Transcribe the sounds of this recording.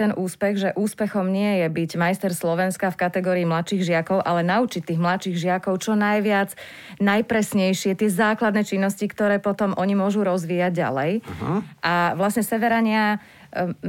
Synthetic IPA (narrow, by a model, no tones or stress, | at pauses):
ɛnʔuːspɛɣʒɛʔuːspɛxɔmɲɪɛjɛbiɟmajst̪ɛɾslɔʋɛnskafkat̪ɛɡɔːɾiːmlat̪ʃiːɣʒɪakɔʊʔalɛnaut͡ʃic̚t̪iːɣmlat̪ʃiːɣʒɪakɔʊt͡ʃɔnajʋɪad͡z | najpɾɛsɲɛjʃɪɛt̪ɪɛzaːklad̪nɛːt͡ʃinːɔscikt̪ɔɾɛːpɔt̪ɔmʔɔɲimʊɔʒuɾɔzʋijaɟːa̰lɛjʔaʋlasɲɛsɛʋɛɾaɲɪa